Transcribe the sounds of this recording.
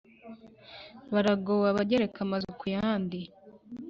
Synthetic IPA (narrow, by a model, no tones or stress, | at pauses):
βaɾaɡowaβaɟeɾekamazukujaaːndi